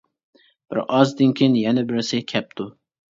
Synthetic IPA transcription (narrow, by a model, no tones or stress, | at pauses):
b̥ɪ̰ɾʔɑzd̪ɨnkʲʰinjɛnɛbɪɾɪsɪkʲʰɛp̚t̪ʰu